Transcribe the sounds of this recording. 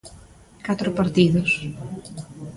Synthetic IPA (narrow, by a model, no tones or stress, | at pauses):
kat̪ɾʊpaɾt̪iðʊs